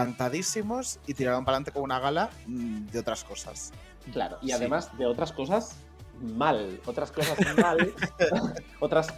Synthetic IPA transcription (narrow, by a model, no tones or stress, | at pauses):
ant̪aðisimo̞sit̪iɾaɾompalant̪ekomunaɣ̞alad̪eo̞t̪ɾasko̞sa̰s | kla̰ɾoʔiaðemazðe̞o̞t̪ɾasko̞sas | malot̪ɾaskosasmal | ot̪ɾas